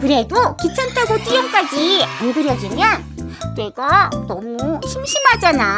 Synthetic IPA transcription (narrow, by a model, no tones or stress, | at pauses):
kɯɾe̞dokit͡ɕʰantʰaɡot͈ijʌŋk͈ad͡ʑianɡɯɾjʌd͡ʑimjʌn | ne̞ɡanʌmuɕʰimɕʰimɦad͡ʑana